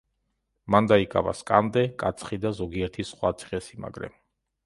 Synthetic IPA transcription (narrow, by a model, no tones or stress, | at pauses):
mand̪aikʼa̰va̰skʼand̪ɛkʼat̪sʰχid̪azɔɡiɛɾt̪ʰisχwat̪sʰi̥ʁɛsima̰ɡɾɛ̰m